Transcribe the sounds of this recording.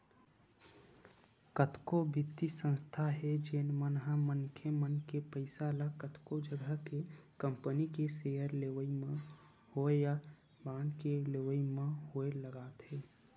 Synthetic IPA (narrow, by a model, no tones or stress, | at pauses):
kət̪kobʱɪt̪ːisə̃nst̪ʰaɦɛd͡ʒeːnmənɦamənkʰemənkepəɪsalakət̪kod͡ʒəɡʱəkekə̃mpənikesejəɾleʋəim | hoeja | baːnkeleʋəimeɦoeləɡaːt̪ɦeː